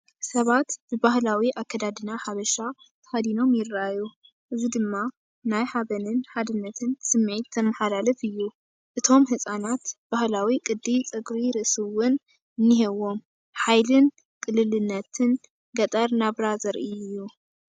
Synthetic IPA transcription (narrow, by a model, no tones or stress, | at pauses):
sɐβat̪b̥ɨbahlawiʔakːɐd̪ad̪ɨnaħaβɐʃa | t̪ʰɐ̥had̪ino̞mjɪrːaju | ʔɨzid̪ɨmːa | najħaβɐnɨnħad̪ɨnːɐt̪ʰɨnsɨmːʕit̪zɐmːɐħalalɐfɨjːu | ʔɨt̪ʰo̞mhɨsʼanat̪b̥ahlawikʼɨd̪ːit͡sʼɨɡɾiɾɨʔsɨwʊn | nːiɦewo̞m | ħajlɨn | kʼɨlːɨlɨnːɐt̪ʰɨn | ɡɐt̪ʼɐɾnaβɾazɐɾʔiɨjːu